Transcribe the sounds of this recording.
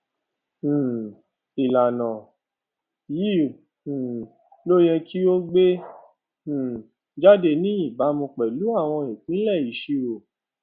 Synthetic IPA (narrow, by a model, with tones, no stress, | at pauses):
i˨la˨nã˨ | jĩ˦˨ | lo˦j̃ɛ̃˧kʰi˦o˦ɡ͡bẽ˦˨ | d͡ʒa˦de˧nĩ˦i˦˨ba˨˦mũ˧k͡pɛ˨lu˨˦a˦˨w̃ɔ̃˧e˨k͡pĩ˨˦lɛ˦˨i˨ʃi˧˦ɾo˨